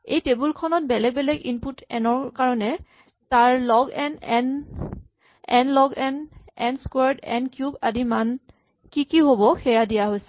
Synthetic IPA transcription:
ḛjtebulkʰɔnɔt̚bɛlɛɡ̚bɛlɛɡinputʰɛnɔɹkaɹɔnɛ | taɹlɔɡɛnɛn | ɛnlɔɡɛnɛnskwɛɹdɛ̰nkjuɡadiman | kikiɦobɔxɛjadijaɦojsɛ̥

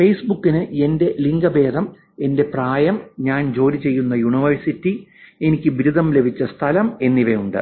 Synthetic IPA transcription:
fe̞jsbukːinɨe̞nde̞liŋɡɐbe̞ːd̪ɐm | e̞nde̞praːjɐmɲaːnd͡ʑo̞ːlit͡ɕe̞jːunːɐjuɳiʋɐrsitːie̞nikʲːɨʋiɾud̪ʱɐmle̞bʱit͡ɕːɐst̪ʰɐlɐme̞nːiʋejuɳɖɨ̰

